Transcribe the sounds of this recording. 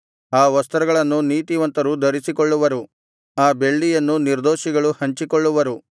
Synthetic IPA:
aːʋɐst̪ɐɾɐɡɐɭɐnːuniːt̪iʋɐnt̪ɐɾud̪ɐɾisikɔɭːuʋɐɾu | aːbe̞ɭːijɐnːuniɾd̪oːʃiɡɐɭuhɐɲt͡ʃikɔɭːuʋɐɾu

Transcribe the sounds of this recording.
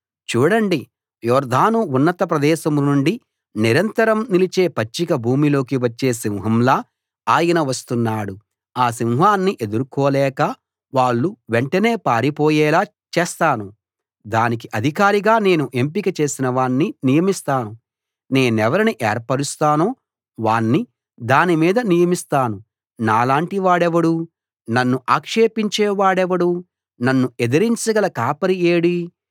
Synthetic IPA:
t͡ʃuːɽɐɳɖi | jɔːɾd̪ʱaːnuːnːɐt̪ɐpɾɐd̪ɛːʃɐmnuɳɖi | niɾɐnt̪ɐɾɐmnilit͡ʃe̞ːpɐt͡ʃːikɐbʱuːmilo̞ːkiʋɐt͡ʃːe̞ːsiwɦɐmlaː | aːjɐnɐʋɐst̪unːaːɽu | aːs̬iwɦaːnːiʔe̞d̪uɾukɔːlɛːkɐ | ʋaːɭːuʋeɳʈɐne̞ːpaːɾipɔːjɛːlaː | t͡ʃeːst̪aːnu | d̪aːnik̬iʔɐd̪ʱikaːɾiɡaːne̞ːnuʔe̞mpikɐt͡ʃe̞ːsinɐʋaːɳːinijɐmist̪aːnu | ne̞ːnɛʋɐɾiniʔɛːɾpɐɽist̪aːnoː | ʋaːɳːi | d̪aːnimiːd̪ɐnijɐmist̪aːnu | naːlaːɳʈiʋaːɽɛʋɐɽu | nɐnːuʔaːkʂe̞ːpiɲt͡ʃɛːʋaːɽɛʋɐɽu | nɐnːued̪ɐɾiɲt͡ʃɐɡɐlɐkaːpɐɾijeːɽi

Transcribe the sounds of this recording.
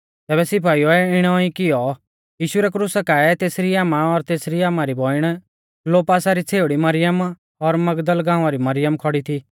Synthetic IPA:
t̪ɛːbɛsɪpʰaːioɛɪɽ̃ɔːĩkɪjɔ | jiːʃuɾɛkɾʊsakaɛt̪eːsɾiaːmaɔɾt̪eːsɾiaːmaɾibʱɔːɪɽ̃ | loːpaːsaɾit͡sʰeːʊɽimɐɾɪjəm | ɔɾmɐɡd̪əlɡãːʊ̃aɾimɐɾɪjəmkʰɔɽit̪ʰiː

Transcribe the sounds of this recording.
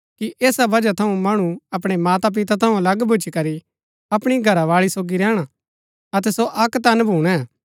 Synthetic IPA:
kiʔeːsabɐd͡ʒat̪ʰɐũmɐɽ̃ũɐpɽ̃emaːt̪ap̬ɪt̪at̪ʰɐũɐlɐɡbʱʊt͡ʃikɐɾi | ɐpɽ̃iɡʱɐɾaʋaːɭisoːɡiɾɛːɽ̃a | ɐt̪ɛsoʔɐkt̪ɐnbʱuːɽ̃ɛ̃

